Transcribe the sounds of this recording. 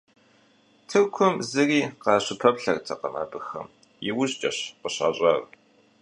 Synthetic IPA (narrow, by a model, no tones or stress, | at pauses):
tʰɨrkʷʰʊmzɨriːqɑːɕɪpʰɐpɬɐrt͡sʼɐqɐma̰ːbɨxɐ̰m | jɪwʊɕt͡ʃʼɐɕqəɕa̰ːɕʼɐr